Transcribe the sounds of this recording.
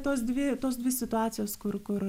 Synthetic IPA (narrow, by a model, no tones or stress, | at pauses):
t̪oːs̬d̪ʲʋʲɪt̪oːsdʲʋʲɪsʲɪt̪ʊɑːt̪ʲɪjoːskʊɾkʊɾ